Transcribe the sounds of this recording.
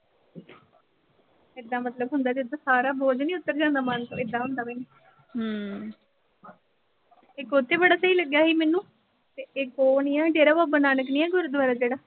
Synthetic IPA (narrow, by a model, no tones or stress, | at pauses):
ɪd̪ãːmət̪ləbɦʊnd̪aːd͡ʒɪd̪ãːsaːɾaːboːd͡ʒnĩːʊt̪ːəɾd͡ʒãːnd̪aːmənt̪õːɪd̪aːɦʊnd̪aːmeni | ɦə | ɪkoːt̪eːbəɽaːsəiːləɡjaːɦiːmɛːnũː | t̪eːeːkoːnĩːɛ̃ːɖeːɾaːbaːbanaːnəkniːɛːɡʊɾuːd̪ʋaːɾaːd͡ʒeːɽaː